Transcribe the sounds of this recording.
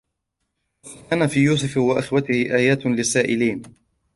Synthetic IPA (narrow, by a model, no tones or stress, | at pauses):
aːnafiːjuːs̬ʊfwaʔɪxwat̪ɪhɪʔaːjaːt̪lɪsːaːʔɪliːn